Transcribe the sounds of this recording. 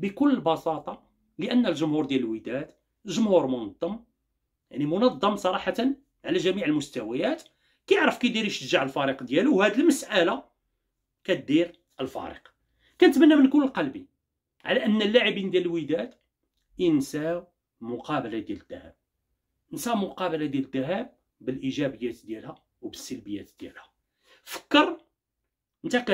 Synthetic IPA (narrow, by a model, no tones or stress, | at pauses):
bəkʊlːəlbɑsɑt̪ˤɑ | ləʔənːælʒʊmhuɾd̪jæləlwəd̪æt̪ | ʒʊmhuɾmʊnɑd̪ˤːɑm | jaʕnimʊnɑd̪ˤːɑmsˤɑɾˤɑħɑt̪ən | ʕalæʒæmiʕəlmʊst̪æwæjæt̪ | kæjəʕɾəfkæjd̪iɾiʃəʒːaʕəlfɑɾiqd̪jæluwhæd̪əlməsʔæla | kæt̪̚d̪iɾ | ʔəlfɑ̰ɾə̰q | kænət̪mænːæmənkuləlqɑlbi | ʕa̰læʔənːælːaʕəbind̪jællwid̪æt̪ | insæw | mʊqɑbəlad̪jæləd̪ːæhæ̰b̚ | ənsæmʊqɑbəlad̪jæləd̪ːæɦæb̚ | bəlʔiʒæbəjːæt̪d̪jælhæ | wbəsːəlbəjːæt̪d̪̥jæ̰lhæ | fə̥kːəɾˤ | ʔənt̪ækæ